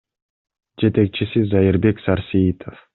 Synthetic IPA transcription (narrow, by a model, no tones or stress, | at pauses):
d͡ʒe̞t̪e̞k̚t͡ʃisizajiɾbe̞ksaɾsiit̪ʰof